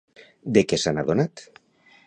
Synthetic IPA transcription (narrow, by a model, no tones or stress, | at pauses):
d̪ekesanaðonat̪